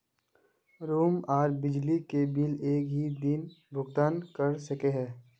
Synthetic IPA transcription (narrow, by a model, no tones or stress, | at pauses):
ɾuːmaːɾbɪd͡ʒlikebɪleːkɦid̪ɪnbʱʊɡt̪aːnkəɾsɐkeɦɛː